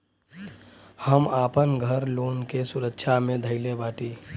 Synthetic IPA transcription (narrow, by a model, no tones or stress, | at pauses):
həmaːpənɡʱəɾloːnkesʊɾəkʃʰamẽd̪ʱəɪlebaːʈiː